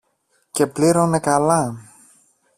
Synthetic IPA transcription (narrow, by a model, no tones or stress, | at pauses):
ce̞pliɾone̞kɐlɐ